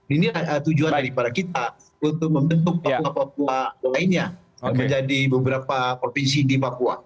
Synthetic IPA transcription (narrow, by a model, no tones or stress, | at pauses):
inilahət̪ud͡ʒuandaɾipadakit̪a | unt̪ʊk̚məmbənt̪ʊk̚papuapap̚ualaɪnɲa | aməɲd͡ʒadibəbəɾapapɾofinsidipapua̰